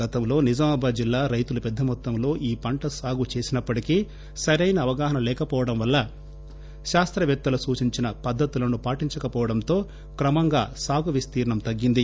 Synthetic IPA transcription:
ɐt̪ɐmlo̞ːnid͡ʒɐmɐbʱɐd͡ʒilːaːɾɐjt̪ulupɛd̪ʱːɐmɔt̪ːɐmlo̞ːʔiːpɐɳʈɐsaːɡut͡ʃe̞ːsinɐpːɐʈikiː | sɐɾɐjnɐːʋɐɡaːɦɐnɐlɛːkɐpɔːʋɐɽɐmʋɐlːɐ | ʃaːst̪ɾɐʋjɛt̪ːuɐlɐsuːt͡ʃiɲt͡ʃinɐpɐd̪ʱːɐt̪ulɐnupaːʈiɲt͡ʃɐkɐpɔːʋɐɽɐmt̪o̞ː | kɾɐmɐŋɡa̰ːsaːɡuʋist̪iːɾɐɳɐmt̪ɐɡːind̪i

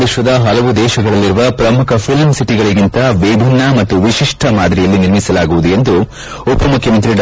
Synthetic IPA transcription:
iʃʋɐd̪ɐɦɐlɐʋud̪ɛːʃɐɡɐɭɐlːiɾuʋɐpɾɐmukʰɐpʰilmsiʈiɡɐɭiɡint̪ɐʋibʱinːɐmɐt̪ːuʋiʃiʂʈʰɐmaːd̪ɾijɐlːiniɾmisɐlaːɡuʋud̪uje̞nd̪u | upɐmukʰjɐmɐnt̪ɾiɖ

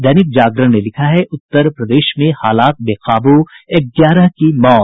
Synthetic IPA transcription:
d̪ɛːnɪk̚d͡ʒaːɡɾəɦnelɪkʰaɦɛʔʊt̪ːəɾpɾɐd̪eːʃmẽhaːlaːt̪̚beːqaːbueɡjaːɾəɦkimɔːt̪

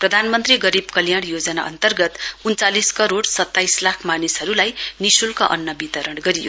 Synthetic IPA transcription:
prʌd̪ʱanmʌnt̪riɡʌɾibkʌljaɽjod͡zʌna̰ʔʌ̰nt̪ʌrɡʌt̪unt͡saliskʌɾoɽsʌt̪ːajslakʰmanisʌɾulajnisulkaʔʌ̰nːʌbit̪ʌɾʌɽɡʌɾijo̰

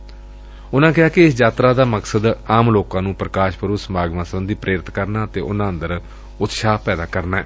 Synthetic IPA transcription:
ʊnãːkɪɦaːkɪɪsd͡ʒaːt̪ɾaːd̪aːməksəd̪aːmloːkãːnũːpɾəkaːʃpəɾuːsəmʱaːɡmãːsəbənd̪iːpɾʔeːɾɪt̪kəɾnaːət̪eːʔʊnãːənd̪əɾ | ʊt̪ʃaːpɛːd̪aːkəɾnaːɛ̰ː

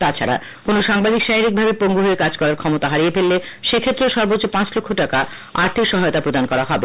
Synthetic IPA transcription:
t̪at͡ɕʰa̰ɾa̰ | konoʃaŋbad̪ikʃaiɾik̚bʱabepoŋɡuɦoekad͡ʑkɔɾaɾkʰɔmot̪aɦaɾijepelːe | ʃekʰet̪ːɾoʃɔɾbot͡ɕːt͡ɕːopãt͡ɕlokʰːoʈaka | aɾt̪ʰikʃɔɦajot̪apɾod̪ankɔɾaɦɔbe

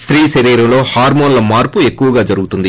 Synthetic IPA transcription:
st̪ɾiːʃɐɾiːɾɐmlo̞ːhaːɾmoːnlɐmaːɾpue̞kːuʋɐɡaːd͡ʒɐɾuɡut̪und̪i

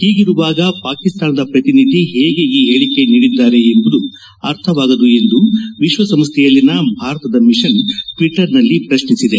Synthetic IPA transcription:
hiːɡiɾuʋaːɡɐpaːkist̪aːnɐd̪ɐpɾɐt̪inid̪ʱiɦeːɡeiɦeːɭike̞niːɽid̪ːaːɾe̞ːmbud̪u | ɐɾt̪ʰɐʋaːɡɐd̪ue̞nd̪uʋiʃʋɐsɐmst̪ʰɛjɐlːinɐbʱaːɾɐt̪ɐd̪ɐmiʃɐnʈʋiʈːɐɾnɐlːipɾɐʃnisid̪e

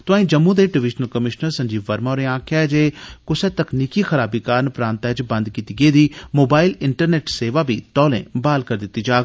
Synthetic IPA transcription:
t̪ʊaːĩːd͡ʒəmːũd̪eːɖɪʋɪʃnəlkəmɪʃnəɾsə̃ɲd͡ʒiːʋəɾmaːɾẽːãːkʰad͡ʒeːkʊsɛːt̪ɐkniːkixəɾaːbiːkaːɾnpɾãːnt̪ɛːt͡ʃbɐ̃nd̪kiːt̪iːɡeːd̪iːmoːbaːɪlɪɳʈəɾneːʈseːʋaːbʱiːt̪ɔːlḛ̃ːbaːlkəɾd̪ɪt̪ːid͡ʒaːɡ

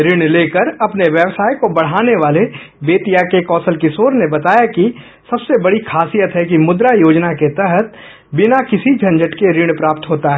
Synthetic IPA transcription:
ɾɪɽ̃leːkəɾɐpneʋjəʋsaːjkobɐɽ̤aːneʋaːle | beːt̪ijakekɔːsəlkisoːɾnebɐt̪aːjaki | sɐbsebɐɽikʰaːsijət̪ɦɛkimʊd̪ɾajoːd͡ʒnaket̪ɛɦət̪̚ | bɪnakɪsid͡ʒʱɐ̃nd͡ʒəʈkeɾɪɽ̃pɾaːp̚t̪ɦoːt̪aɦɛː

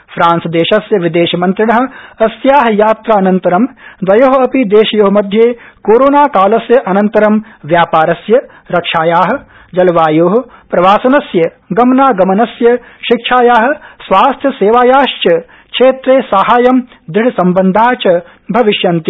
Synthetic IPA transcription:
fɾaːnsɐd̪eːʃɐsjɐʋid̪eːʃɐmɐnt̪ɾiɳɐɦɐ̆ɐsjaːɦɐjaːt̪ɾaːɐnɐnt̪ɐɾɐmd̪ʋɐjoɦɐɐpid̪eːʃɐjoːɦɐmɐd̪ʱjeːkoːɾoːnaːkaːlɐsjɐʔɐnɐnt̪ɐɾɐmʋjaːpaːɾɐsjɐ | ɾɐkʂaːjaːɦɐ̆ | d͡ʒɐlɐʋaːjoːɦɐpɾɐʋaːsɐnɐsjɐ | ɡɐmnaːɡɐmɐnɐsjɐʃikʂaːjaːɦɐ̆sʋaːst̪ʰjɐseːʋaːjaːʃt͡ʃɐ | kʂeːt̪ɾeːsaɦaːjɐm | d̪ɾɪiɽisɐmbɐnd̪ʱaːt͡ʃɐ | bʱɐʋiʃjɐnt̪i

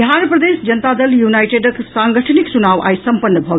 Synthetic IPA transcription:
aɾəpɾəd̪esd͡ʒənt̪ad̪əljunajʈeɖəksaŋɡəʈʰniksunaʋʔa̰jsəmpənːəbʱɔ

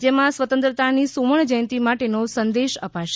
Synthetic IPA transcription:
d͡ʒemãsʋət̪ə̃nt̪ɾət̪anisuməɳ̃d͡ʒəj̃nt̪imaʈenosənd̪eʃəpaʃe

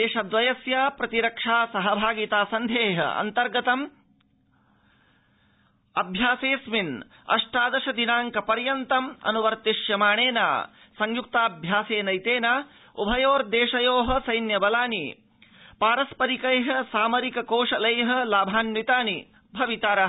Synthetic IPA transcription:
d̪eːʃɐd̪ʋɐjɐsjaːpɾɐt̪iɾɐkʂaːsɐɦɐbʱaːɡit̪aːsɐnd̪ʱeːɦɐ̰ɐ̰nt̪ɐɾɡɐt̪ɐm | ɐbʱjaːseːsmin | ɐ̰ʂʈaːd̪ɐʃɐd̪inaːŋkɐpɐɾjɐnt̪ɐmɐ̰nuʋɐɾt̪iʃjɐmaːɳeːna̰ː | sɐŋjuk̚t̪aːbʱjaːseːnɐjt̪eːnaː | ṵbʱɐjoːɾd̪eːʂɐjoːɦɐ̆sɐjnjɐbɐlaːni | paːɾɐspɐɾikɐjɦɐ̆saːmɐɾikɐkoːʂɐlɐjɦɐ̆laːbʱaːnmit̪aːni | bʱɐʋit̪aːɾɐɦ

